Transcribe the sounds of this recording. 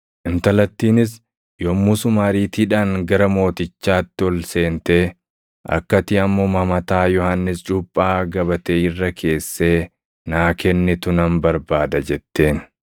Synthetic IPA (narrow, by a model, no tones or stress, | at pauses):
ʔɪnt̪ɐlɐt̪ːiːnɪs | jomːʊsʊmaːɾiːt̪iːᶑaːŋɡɐɾɐmo̞ːt̪ɪt͡ʃːaːt̪ːɪɔlse̞ːnt̪e̞ː | ʔɐ̰kːɐt̪ɪɐmːoːmɐmɐt̪aːjɔhanːɪst͡ʃʼʊpʼːaːɡɐbɐt̪eːɪrːɐkʰe̞ːsːe̞ː | naːkɛnːɪt̪ʊnɐmbɐɾbaːd̪ɐd͡ʒɛt̪ːe̞ːn